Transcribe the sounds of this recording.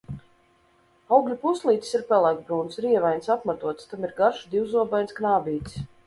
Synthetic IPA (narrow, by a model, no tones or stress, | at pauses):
awɡʎʲupuslˠiːt̪i̥siɾpʲɛlˠaɡbɾuːnsɾiɛvajnsapmat̪uɔt̪st̪amiɾɡaɾʃud̪iwzuɔbajnsknaːbiːt̪s